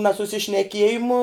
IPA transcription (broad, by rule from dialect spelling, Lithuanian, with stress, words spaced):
nɐsʊsʲɪʃʲnʲɛˈkʲiɛjɪmʊ